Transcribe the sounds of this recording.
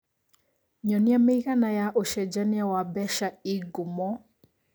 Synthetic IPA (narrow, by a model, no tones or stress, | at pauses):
ɲɔniameiɣanajaʔoʃɛd͡ʒaniawabɛʃaiɡumɔ